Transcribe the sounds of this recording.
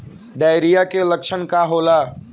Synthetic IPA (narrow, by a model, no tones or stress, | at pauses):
ɖajɾijakeləkt͡ʃʰənkaɦola